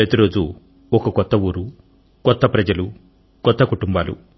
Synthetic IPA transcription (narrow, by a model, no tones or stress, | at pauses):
ɐt̪iɾo̞ːd͡ʒu | ɔkɐkɔt̪ːɐwuːɾu | kɔt̪ːɐpɾɐd͡ʒɐlu | kɔt̪ːɐkuʈumbaːlṵ